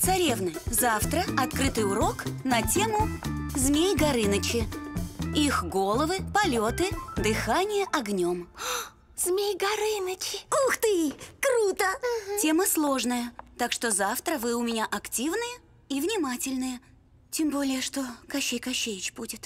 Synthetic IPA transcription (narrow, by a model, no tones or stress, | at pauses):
t̪sɐɾʲe̞vnɨjzaft̪ɾəɐt̪kɾɨt̪ɨjʊɾo̞knɐtʲe̞mʊzmʲejɡɐɾɨnət͡ɕɪ | ixɡo̞lˠəvɨpɐlʲot̪ɨd̪ɨxanʲɪjəʔɐɡnʲo̞m | z̥mʲejɡɐɾɨnət͡ɕɪoxt̪ɨkɾut̪ətʲe̞məslˠo̞ʐnəjət̪akʂt̪o̞zaft̪ɾəvɨʊmʲɪnʲaʔɐktʲivnɨjə | ivnʲɪmatʲɪlʲnɨjə | tʲembo̞lʲɪjəʂt̪o̞kɐɕːejkɐɕːejɪt͡ɕbudʲɪt̪